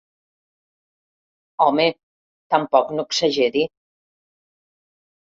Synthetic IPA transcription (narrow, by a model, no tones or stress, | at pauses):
ɔme | t̪ampɔknukseʒeði